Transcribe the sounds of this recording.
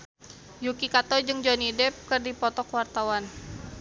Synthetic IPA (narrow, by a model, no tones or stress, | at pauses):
jukikat̪ɔd͡ʒɨŋd͡ʒɔnidɛp̚kɨrdipɔt̪ɔkwart̪awan